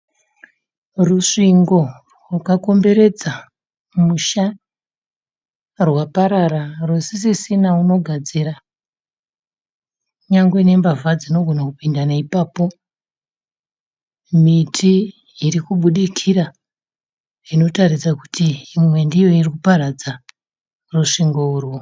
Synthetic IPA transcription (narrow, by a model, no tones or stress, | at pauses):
ruʂiŋɡo̞ | rwakako̞mbe̞ɾe̞d͡za | muʃa | rwapaɾararwosisisinauno̞ɡʱad͡ziɾa | ɲaŋɡwene̞mbavad͡zino̞ɡʱo̞nakupindanaipaːpo̞ | mitʰiː | ɾikuɓuɗikʰiɾa | ino̞tarisaku̥tiːmwe̞ndijo̞irikupaɾad͡za | ruʂiŋɡourwo